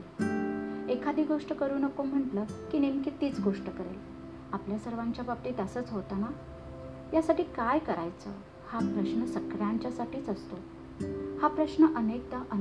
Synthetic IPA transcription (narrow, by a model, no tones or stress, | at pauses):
ekʰad̪iːɡoʂʈəkəɾuːnəkom̤əɳʈləkinemket̪iːt͡sɡoʂʈəkəɾḛl | apljasəɾʋaɲt͡ɕjabap̚t̪iːt̪əsəːt͡sɦot̪ana | jasaʈiːkajkəɾajt͡sə̰ | hapɾəɕɳəsəkɽjãɲt͡ɕjasaʈʰiːt͡səst̪o | hapɾəɕɳəʔənek̚t̪aʔə